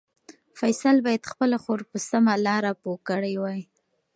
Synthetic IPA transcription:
fajsalbɑjad̪xpəlaxoɾpəsamalɑɾapokəɽajwaj

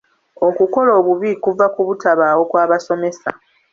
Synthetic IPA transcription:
o̞kuko̞lo̞ːβuβiːkuvakuβutaβaːwo̞kwaːβaso̞me̞sa̰

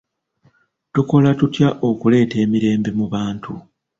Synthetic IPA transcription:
tuko̞latutjaʔo̞kule̞ːte̞ːmiɾe̞ːmbe̞muβaːntʰu

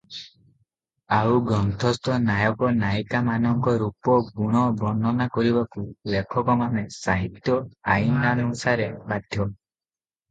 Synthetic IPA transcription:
awɡɾɔnt̪ʰɔst̪ɔnajɔkɔnajkamanɔŋkɔɾupɔɡuɽ̃ɔbɔnɔnakɔɾibakulekʰɔkɔmanesaɦit̪jɔajinanusaɾebad̪ʱjɔ

